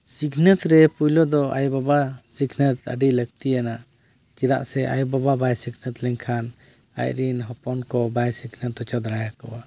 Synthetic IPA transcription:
sikʰnət̪ɾɛpujlɔd̪ɔa̰jbabasikʰnət̪ə̰ɖiləɡ̚t̪ijana | t͡ʃiɾa̰ʔsɛʔa̰jbababajsiknət̪lɛɲkʰan | a̰jɾinɦɔpɔnkɔbajsikʰnət̪ɔt͡ʃɔd̪ɾajakɔwa

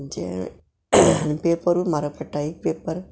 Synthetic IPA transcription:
ɲd͡ʒḛ | peːpɐɾmɐɾɐpːɐʈːaːjipeːpːɐɾ

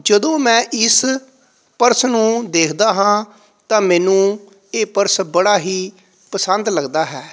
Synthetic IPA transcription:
d͡ʒəd̪õːmɛ̃ːʔɪs | pəɾsnũːd̪eːkʰd̪aːɦãː | t̪ãːmɛːnũː | eːpəɾsbəɽaːɦiː | pəsənd̪ləɡd̪aːɦɛː

